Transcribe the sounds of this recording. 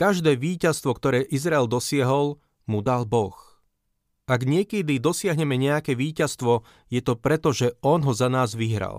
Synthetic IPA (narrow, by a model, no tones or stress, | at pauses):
kaʒd̪ɛːʋiːcast̪ʋɔkt̪ɔɾɛːʔizɾaɛld̪ɔsɪaɦɔl | mud̪albɔx | ʔaɡɲɪɛkɛd̪id̪ɔsɪaɦɲɛmɛɲɛjakɛːʋiːcast̪ʋɔ | jɛt̪ɔpɾɛt̪ɔʒɛɔnɦɔzanaːzʋiɦɾa̰l